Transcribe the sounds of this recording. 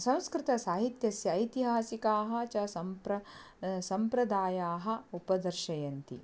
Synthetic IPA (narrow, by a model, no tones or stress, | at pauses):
sɐ̃w̃skɾɪt̪ɐsaːɦit̪jɐsjɐːjt̪iɦaːsikaːɦɐ̆t͡ʃɐsɐmpɾɐ | sɐmpɾɐd̪aːjaːɦɐ̆upɐd̪ɐɾʃɐjɐnt̪ḭ